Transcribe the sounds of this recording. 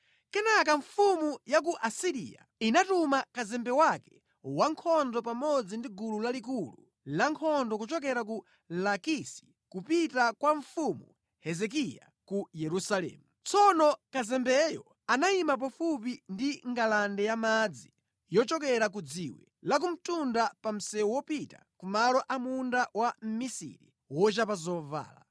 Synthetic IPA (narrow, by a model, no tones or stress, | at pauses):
kɛnak̬aɱfumujak̬uʔasiɾḭja̰inatumakazɛmbɛwakɛ | waŋkʰɔndɔpamɔd͡zindiɡululalik̬ulṵ | laŋkʰɔndɔkut͡ʃɔk̬ɛɾaku | lakisi̥ | kupitakwaɱfumṵ | hɛzɛk̬ija̰ | kujɛɾusalɛ̰ːmut͡sɔnɔkazɛmbɛjɔ | anaimap̬afup̬indiŋɡalandɛjamad͡zi | jɔt͡ʃɔkɛɾak̬ud͡ziwɛ̰lak̬um̩tundapam̩sɛwɔwɔpita̰kumalɔʔamundawam̩misḭɾḭ | wɔt͡ʃapazɔva̰ːla̰